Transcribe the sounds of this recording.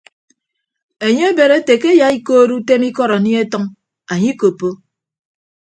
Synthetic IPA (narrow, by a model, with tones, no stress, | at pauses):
e˨ɲe˦e˦be˨ɾe˦te˨ke˦ja˨i˦koː˦ɾu˦te˦mi˦kɔ˦ɾa˨ni˦e˦tɔ˦ŋ | a˨ɲi˦ko˨pːo˦